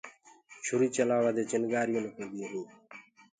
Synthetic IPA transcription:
ʃʰʊɾiːt͡ʃəlaːʋaːd̪eːt͡ʃɪnɡaːɾjõːneːkʰẽːd̪iõːɦĩː

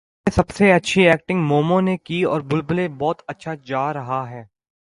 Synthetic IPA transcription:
esɐbseɐtːʃʰiɛːk̚ʈɪ̃ŋɡmoːmõnekiɔ̰ːɾbʊlbʊlebɔːt̪ɐtːʃʰad͡ʒaːɾɐɦaɦɛː

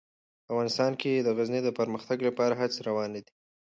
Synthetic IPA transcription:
afɣɑnɪst̪ɑnked̪əɣazned̪əpəɾməxt̪aɡlapɑɾaɦat͡sɾawɑned̪i

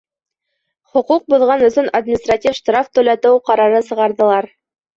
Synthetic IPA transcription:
χŏquq̚buðʁɑnɵ̆θɵnad̪mʲinist̪ratʲifʃt̪raft̪ɵ̆læt̪ɘwqɑɾɑɾɤsɤ̆ʁɑɾðɤ̆lˠɑɾ

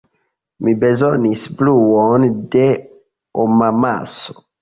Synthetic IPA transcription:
mibezonisbluonde | omama̰so̥

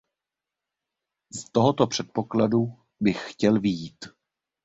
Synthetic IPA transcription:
st̪o̞ɦo̞t̪o̞pr̝̥ɛt̪̚po̞kladu | bɪxːcɛlvɪjiːt̪

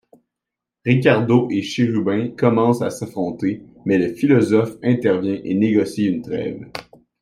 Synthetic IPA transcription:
ʁik̬ʲaʁd̪oʔeʃeʁybɛ̃kɔmɑ̃sasafχɔ̃t̪e | mɛləfilɔzɔfɛ̃t̪ɛʁvjɛ̃ʔeneɡɔsiynt̪ʁɛ̰ːv

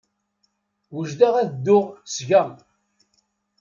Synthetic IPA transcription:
wəʒd̪aʁæðd̪ːʊʁsʝæm

